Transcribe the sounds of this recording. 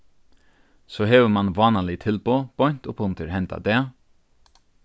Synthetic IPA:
soːɦeːʋəmɑnʋɑːnəlɪt̪ʰɪlboːb̥ɔn̥t̪oːpʰʊnt̪əɾhɛnt̪a̰d̪eː

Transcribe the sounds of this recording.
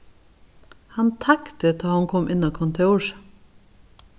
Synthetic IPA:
hɑnt̪ʰɑkt̪əd̪ɑːhɑŋkʰɔmʔɪnɑkʰɔnt̪ʰeːuːʃ

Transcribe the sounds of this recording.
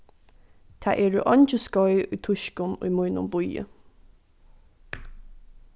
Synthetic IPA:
t̪ʰa̰ːʔɛːɹəʔɔnʲt͡ʃəskɔjʊjt̪ʰʊʃkʊnʊ̰jmʊjnʊ̰mbʊjə̰

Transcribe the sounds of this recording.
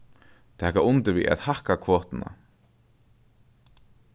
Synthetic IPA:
t̪ʰɛːkaʔʊnt̪ɪviːa̰ðhahkakʰvɔːht̪ɪna̰

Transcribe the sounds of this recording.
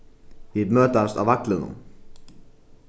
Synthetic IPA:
jiðmœːt̪ast̪a̰wvaklɪnʏ̰m

